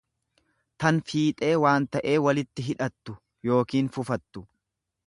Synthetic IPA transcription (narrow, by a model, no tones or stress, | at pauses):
t̪ɐnfiːt̪ʼe̞ːwaːnt̪ɐʔe̞ːwɐlɪt̪ːɪɦɪᶑɐt̪ːʊ | jo̞ːkiːnfʊfɐt̪ːʊ